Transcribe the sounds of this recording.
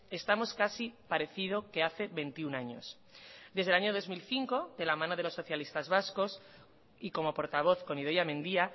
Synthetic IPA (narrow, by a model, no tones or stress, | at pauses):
est̪amo̞skasipaɾe̞θið̞o̞ke̞aθe̞βe̞nt̪iunaɲo̞̰s | d̪e̞zðe̞laɲoð̞o̞zmilθiŋko̞ðe̞lamãnoð̞e̞lo̞sːo̞θjalist̪azβaskos | iko̞mo̞po̞ɾt̪aβ̞o̞θko̞niðojamẽ̞nd̪ia